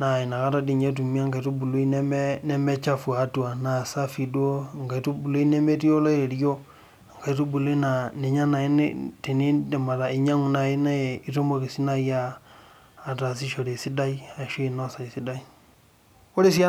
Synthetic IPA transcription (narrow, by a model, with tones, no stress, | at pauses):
na˨i˨na˨ka˦ɾa˦di˨ɲe˦t̬u˨m˦a˦ŋka˨i˨tu˦bu˨lo˦i˦n˦nɛ˦mɛ˦t͡ʃa˦fwa˨˦tu˨a˨na˨sa˦fi˨du˦o˦˨ŋɡa˨i˨˦tu˦bu˨lo˦i˦ne˦me˦ti˦o˦lɔ˦e˨ɾjo˦˨ | ŋka˨i˦tu˦bu˨lo˦i˦na˨ne˨ɲa˦na˨i˦n̰˦te˨ni˦de˨ma˨ɾa˨i˨ɲa˦ŋu˨na˨i˦na˦˨i˦to˦mo˦˨ki˨si˦na˦jaː˦˨ | ta˨s̬i˦ʃo˨ɾe˨si˦da˦i˦a˨ʃo˦i˨nɔ˦sa˨i˨si˦da˦i˦ | o˦ɾe˦s̬i˦a˦